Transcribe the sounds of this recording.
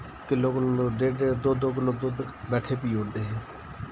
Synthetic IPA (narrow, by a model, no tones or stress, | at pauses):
kɪloːkʊnːoɖeːɖeːd̪ʊd̪oːkənoːd̪ʊd̪bɛːʈʰeːpiːʊɽd̪eːɦɛː